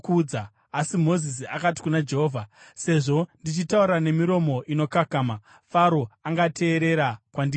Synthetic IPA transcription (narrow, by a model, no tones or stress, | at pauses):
uːd͡za | asimo̞zis̬iakati̥kunad͡ʒe̞ɦoːvʱase̞ʐo̞ndit͡ʃitauɾane̞miɾo̞mo̞ʔino̞kakaːma | faɾoaŋɡatʰe̞ːɾe̞ɾakwandi